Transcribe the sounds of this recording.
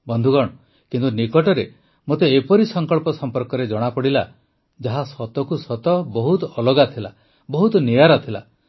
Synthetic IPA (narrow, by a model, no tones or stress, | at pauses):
bɔnd̪ʱuɡɔɽ̃ɔ | kint̪unikɔʈɔɾe | mot̪eːpɔɾisɔŋkɔɭpɔsɔmpɔɾkɔɾed͡ʒɔɽ̃apɔɽila | d͡ʒaɦasɔt̪ɔkusɔt̪ɔbɔɦut̪ɔɔlɔɡat̪ʰila̰ | bɔɦut̪ɔnijaɾɔt̪ʰila̰